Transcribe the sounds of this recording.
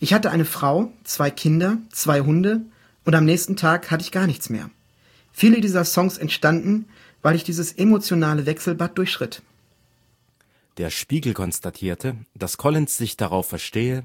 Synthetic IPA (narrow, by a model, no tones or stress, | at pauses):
ʔɪçhatəʔaɪnəfʁ̥aʊt͡sv̥aɪkʰɪndɐt͡sv̥aɪɦʊndə | ʔʊntamnɛːçstn̩tʰaːkhatəɪçɡ̥aːɐnɪçt͡smḛːɐ | fiːlədiːzɐsɔŋsɛntʃtandn̩ | vaɪlɪçd̥iːzəsʔemot͡sjonaːləvɛksl̩bat̚d̥ʊɐçʃʁ̥ɪt | d̥eːɐʃpiːɡl̩kʰɔnstatʰiːɐtʰəd̥askʰɔlɪnsz̥ɪçd̥aʁaʊfɛɐʃteːə